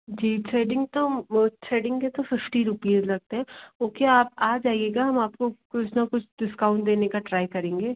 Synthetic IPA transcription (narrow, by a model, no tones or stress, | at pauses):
d͡ʒiːsʰeːɖɪ̃ŋɡ̚t̪oəːeːɖɪ̃ŋket̪ofɪfʈiɾʊpiːzlɐɡ̚t̪eɦɛ̃oːkeaːpaːd͡ʒaːieːɡaɦɐmaːp̚kokʊt͡ʃʰnakʊt͡ʃʰɖɪskaʊ̃ɳʈ̚d̪eːnekaʈɾaːɪkɐɾẽːŋɡeː